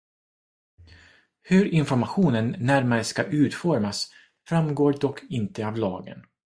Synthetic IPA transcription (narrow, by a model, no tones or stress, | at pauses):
hɵɾɪnfɔɾmaɧuːnənːæɾmaɾəskaʔʉ̟ːt̪fɔɾmas | fɾamɡoːd̪ɔkʰːɪnt̪əavlɑ̰ːɡə̰n